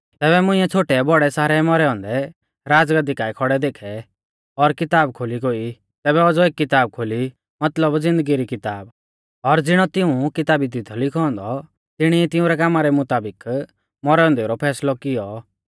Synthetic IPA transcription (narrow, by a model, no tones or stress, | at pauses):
t̪ɛːβɛmʊ̃ɪ̃ɛ̃t͡sʰoːʈɛbɔɽɛsaːɾɛmɔɾɛɔ̃nd̪ɛ | ɾaːd͡zɡad̪ikaːikʰɔɽɛd̪eːkʰɛ | ɔɾkɪt̪aːb̚kʰoliɡoi | t̪ɛːbɛɔd͡zɔeːkːɪt̪aːb̚kʰoli | mɐt̪ləbd͡zɪ̃nd̪əɡiɾikɪt̪aːb | ɔɾd͡zɪɽ̃ɔt̪ɪũkɪt̪aːbid̪ɪt̪ʰɔlɪkʰɔ̃ːnd̪ɔ | t̪ɪɽ̃iɛt̪ɪũɾɛkaːmaɾɛmʊt̪aːbɪk | mɔɾɛɔ̃nd̪eɾɔpʰɛːslɔkɪjɔ